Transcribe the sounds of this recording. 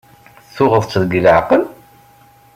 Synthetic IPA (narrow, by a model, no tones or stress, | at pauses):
θʊʁəðˤt͡sːəðɡələʕqəl